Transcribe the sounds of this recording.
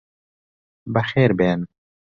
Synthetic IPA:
bɐxeːɾbeːn

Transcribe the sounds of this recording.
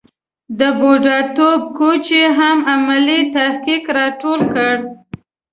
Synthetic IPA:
d̪əboɖɑɾt̪ob̚kot͡ʃeɦamamalit̪ahkikɾɑʈolkəɽ

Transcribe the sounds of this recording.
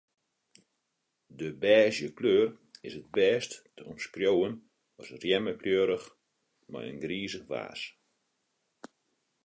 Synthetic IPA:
dəbɛːzjəkløːrɪsət̚bɛːsttəɔmskrjowən | ɔsrjɛməkljøːɾəx | mɛ̰jə̰nɡriːzəxʋa̰ːs

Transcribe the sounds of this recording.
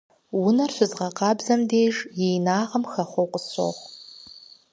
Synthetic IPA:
wʊnɐrfʷɨzʁɐqɑbzɐmdeːʐjejnaːʁɐmxɐχʷowqʷʼʊso̰ʁ

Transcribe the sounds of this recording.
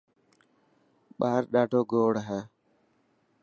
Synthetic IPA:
ɓaːɾɗaːɖʱoːɡoːɽɦɛː

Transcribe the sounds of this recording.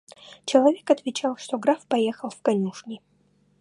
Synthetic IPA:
t͡ɕɪlˠɐvʲekɐt̪vʲɪt͡ɕalˠʂt̪oɡɾafpɐjexəlˠfkɐnʲuʂnʲɪ

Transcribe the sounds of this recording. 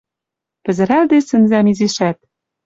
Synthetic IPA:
pɘ̆zɘ̆ɾæld̪esɘ̆nzæmiziʃæt̪̚

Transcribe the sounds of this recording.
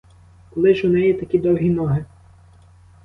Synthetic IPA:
kɔlˠɪʒʊnɛjɛt̪ɐkʲid̪ɔwɦʲinɔɦɪ

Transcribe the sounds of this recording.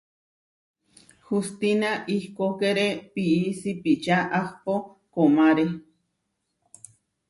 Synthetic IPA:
hust̪inaʔihkokeɾepiisipit͡ʃaʔahpo | komaɾe

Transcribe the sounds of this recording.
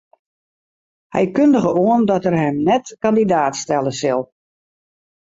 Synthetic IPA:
hɛ̰jkøndəɣəoəndɔtərɦɛmnɛtkandidaːtstɛlˠəsɪlˠ

